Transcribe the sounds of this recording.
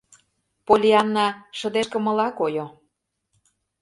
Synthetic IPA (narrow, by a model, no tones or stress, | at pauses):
polʲiɑnːɑʃɤ̆d̪eʃkə̆mɤ̆lɑkojo